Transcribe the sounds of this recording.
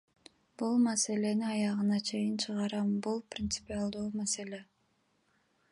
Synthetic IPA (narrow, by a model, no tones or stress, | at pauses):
b̥ulˠmase̞le̞niɑjɑʁɯnɑt͡ʃʰe̞jint͡ʃʰɯʁɑɾɑmbulˠprʲɪnt̪sɨ̥pʲialˠd̪uːmase̞lʲe̞